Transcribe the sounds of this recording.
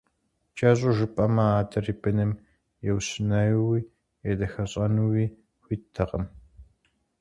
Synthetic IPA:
t͡ʃʼɐɕʼʊʒɨpʼɐmɐaːdʰɐriːbɨnɨm | jɛwsɨnɐjwiː | jɛdɐxɐɕʼɐnuwiː | xʷiːtʰɐqəm

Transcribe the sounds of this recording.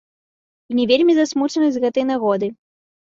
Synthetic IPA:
inʲɛvʲelʲmʲizasmut͡ʂɐnɨzʲzʲɣɛt̪ɨjnaɣɔd̪ɨ

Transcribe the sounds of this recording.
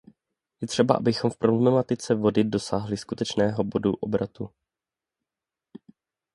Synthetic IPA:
jɛt̪r̝̥ɛba̰ʔabɪxo̞mfpɾo̞bllɛmat̪ɪt͡sɛvo̞dɪdo̞saːɦlɪskut̪ɛt͡ʃnɛːɦo̞bo̞dṵʔo̞bɾat̪u

